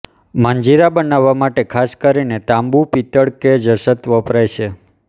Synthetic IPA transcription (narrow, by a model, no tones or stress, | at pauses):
məɲd͡ʒiɾabənaʋːamaʈekʰaskəɾinet̪ãmbupit̪əɽked͡ʒəsət̪ʋəpɾajʃʰe